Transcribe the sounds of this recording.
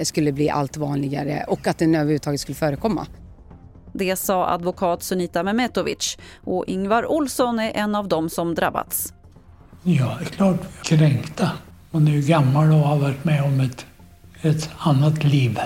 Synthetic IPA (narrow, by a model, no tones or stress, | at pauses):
skɵlːəbliːʔa̰lt̪vɑːnlɪɡaɾə̰ʔɔkːat̪̚d̪ɛnøːvəɾhʉːt̪ʰɑːɡət̪skɵlːəfœːɾəkʰɔmːa̰ | d̪ɛsɑːʔa̰d̪vʊkʰɑːt̪sɵniːt̪amɛmɛt̪ɔvɪ̰tt͡ʃʔɔʔɪŋvaɾʔʊlsɔnæɾʔɛnːavd̪ɔmsɔmd̪ɾa̰bːa̰d̪s | jɑːd̪ɛkʰlɑːʈkʰɾɛŋkt̪a | manæɾjʉɡamːalɔhaɾvæʈːmɛɔmɛt̪ | ɛt̪anːat̪liːv